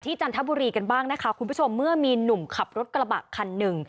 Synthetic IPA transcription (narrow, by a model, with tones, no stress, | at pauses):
t̪ʰiː˥˩t͡ɕaː˧nt̪ʰa˦˥buː˧ɾiː˧ka˧nbaː˥˩ŋna˦˥kʰa˦˥kʰu˧nbu˦˥t͡ɕʰo˧mːɯ˥˩ɐmiː˧nu˨˩mkʰa˨˩p̚ɾo˦˥t̪̚kɾa˧ba̰ː˨˩kkʰa˧nːɯ˨˩ŋ